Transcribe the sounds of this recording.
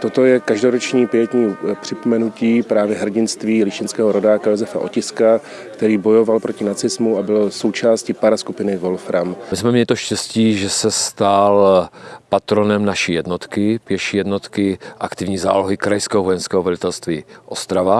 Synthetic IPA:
t̪ot̪o̞jɛkaʒdoɾot͡ʃɲiːpɪjɛt̪ɲiːpr̝̥ɪpomɛnuciːpɾaːvjɛɦr̩ɟɪnst̪viːlɪʃcɪnskɛːɦoɾo̞daːkajozɛfa̰ʔo̞̰cɪska | kt̪ɛɾiːbo̞jo̞valpɾo̞cɪnat͡sɪzmuabɪlso̞wt͡ʃaːscɪpaɾaskupɪnɪvolfɾammɪsmɛmɲɛlɪt̪oʃcɛsciːʒɛsɛst̪alpat̪ɾonɛmnaʃiːjɛdnot̪kɪpɪjɛʃijɛdnot̪kɪʔa̰kt̪ɪvɲiːza̰ːloɦɪkɾajskɛɦovojɛnskɛːɦovɛlɪt̪ɛlst̪viːʔost̪ɾava

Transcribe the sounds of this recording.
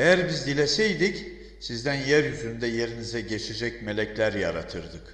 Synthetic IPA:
ejæɾbizd̪ilʲesɛjd̪ic | sizd̪ænjæɾjyzynd̪ɛje̞ɾinizɛɟe̞t͡ʃʰed͡ʒɛcme̞lʲɛclʲæɾja̰ɾat̪ʰɯɾd̪ɯk

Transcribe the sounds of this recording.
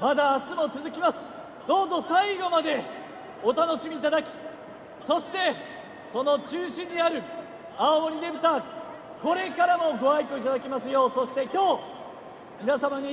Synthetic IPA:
mad̪aːsɨmo̞t͡sɨzɨkʲimasɨ̥ | d̪o̞ːzo̞saiɡo̞mad̪e̞ | ot̪ano̞ɕimʲiːt̪ad̪akʲi̥ | so̞ɕi̥t̪e̞ | so̞no̞t͡ɕɨːɕĩɲ̟ːiaɾɯ̟ | aomoɾʲid̪ẽ̞bɯt̪aɾɯ | ko̞ɾe̞kaɾamo̞ɡo̞aikɯit̪ad̪akʲemasɨjo̞ːso̞ɕi̥t̪e̞kʲo̞ː | mʲinasamaɲ̟i

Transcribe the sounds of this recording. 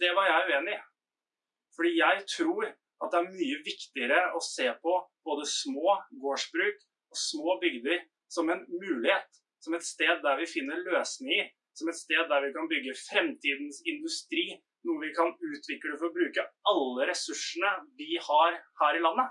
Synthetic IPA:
d̪̥ɛʋɑɾjæɪʉːeːnɪ | fɔɖiːjæɪt̪ʰɾuːɾ | ɑt̪̚d̪ɛæɾmyːəʋɪkt̪ɪəɾəɔseːpʰɔb̥oːd̪əsmoːɡoːʂbɾʉːk | ɔsmoːbʏɡd̪əɾ | sɔmɛnmʉːlɪheːt̪ | sɔmɛt̪st̪eːd̪ːæɾʋɪfɪnːəɭøːsnɪŋəɾ | sɔmɛt̪st̪eːd̪ːæɾʋɪkɑnbʏɡːəfɾɛmt̪ʰiːd̪nsɪnd̪ʉst̪ɾiː | nuːəʋɪkʰɑnʉːt̪ʰʋɪkːləfɔɾɔbɾʉːkəɑlːəɾɛsʉʂːəɳəʋɪhɑɾhæːɾɪlɑnːə

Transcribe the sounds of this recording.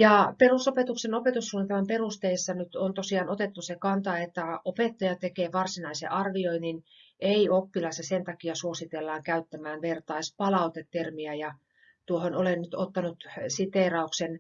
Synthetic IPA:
jɑperusopet̪uksenopet̪usːuːnːit̪emɑmperust̪eisːɑnyt̪ont̪osiɑːnot̪et̪ːusekɑnt̪ɑet̪ːæopet̪ːɑjɑt̪ekeːʋɑrsinɑisḛʔɑrʋioinːinʔeiopːilɑsɑsent̪ɑkiɑsuosit̪elːɑːŋkæyt̪ːæmæːnʋert̪ɑispɑlɑut̪et̪ːermiæjɑ | t̪uohonolennyt̪ot̪ːɑnut̪sit̪eˑrɑuksen

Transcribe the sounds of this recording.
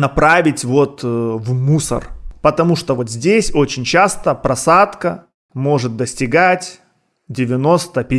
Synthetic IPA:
nɐpɾavʲɪtʲvo̞t̪vmusə̰rpət̪ɐmuʂt̪ovo̞t̪zʲdʲesʲo̞t͡ɕɪnʲt͡ɕast̪əpɾɐsat̪kə | mo̞ʐɨt̪̚d̪əsʲtʲɪɡatʲ | dʲɪvʲɪno̞st̪əpʲɪ

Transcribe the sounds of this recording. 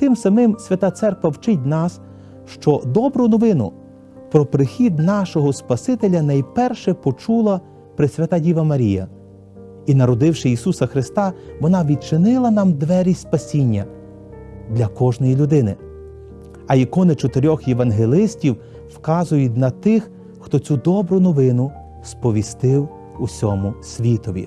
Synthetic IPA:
t̪ɪmsɐmɪmsʲʋʲɐt̪ɑt̪sɛrkʋɐwt͡ʃɪtʲnɑs | ʃt͡ʃɔd̪ɔbɾʊnɔʋɪnʊ̰ | pɾɔpɾɪxʲid̪nɑʃɔɦɔspɐsɪt̪elʲɐnɐjpɛrʃɛpɔt͡ʃulˠɐ | pɾɪsʲʋʲɐt̪adʲiʋɐmɐɾʲijɐ̰ | inɐɾɔd̪ɪwʃɪjisusɐxɾɪst̪ɑʋɔnɑʋʲid̪̚t͡ʃɪnɪlˠɐnɑmd̪ʋɛɾʲispɐsʲinʲːɐ | d̪lʲɐkɔʒnɔjilʲʊd̪ɪnɪ | ɐjikɔnɪt͡ʃɔt̪eɾʲɔxjeʋɐnɦelˠɪsʲtʲiw | wkɑzʊjʊtʲnɐt̪ɪx | xt̪ɔt͡sʲud̪ɔbɾʊnɔʋɪnʊ | spɔʋʲist̪ɪw | usʲɔmʊsʲʋʲit̪ɔʋʲḭ

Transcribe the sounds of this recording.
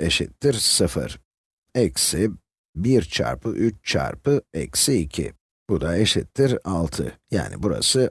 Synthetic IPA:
eʃit̪ːiɾsɯfɯ̰ɾ̥ | ɛksɪ | biɾt͡ʃʰa̰ɾpʰɯʔyt͡ʃt͡ʃʰa̰ɾpʰɯɛ̰csiːcʰḭ | bud̪aeʃit̪ʰːiɾalˠt̪ʰɯ̰ja̰ːnɪ̰buɾa̰sɯ

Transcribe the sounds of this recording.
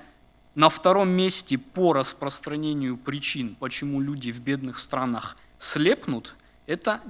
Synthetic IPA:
nəft̪ɐɾo̞mːʲesʲtʲɪpoɾəspɾəst̪ɾɐnʲenʲɪjʊpɾʲɪt͡ɕinpət͡ɕɪmulʲudʲɪvbʲe̞d̪nɨxst̪ɾanəx | sʲlʲepnʊt̪ | ɛt̪ə

